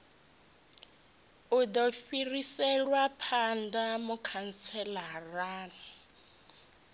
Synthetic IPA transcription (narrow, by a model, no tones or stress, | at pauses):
udɔɸirisɛlwapʰandamukʰant͡sʰɛlaraːna